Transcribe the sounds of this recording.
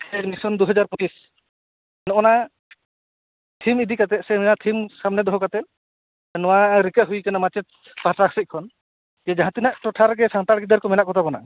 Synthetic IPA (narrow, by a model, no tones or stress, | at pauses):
ɛmisɔnd̪uɦɔd͡ʒaɾpɔt͡ʃis | nɔɔna | t̪ʰimid̪ikat̪ɛt̪̚sɛmɛnat̪ʰimsamnɛd̪ɔɦɔkat̪ɛt̪̚ | nɔwaɾikəɦujkanamat͡ʃɛt̪̚ | paʈɾaksit̪̚kʰɔn | d͡ʒɛd͡ʒaɦãt̪inaʔʈɔʈʰaɾɡɛsaŋt̪aɽɡid̪əɾkɔmɛnaʔkɔt̪abɔna̰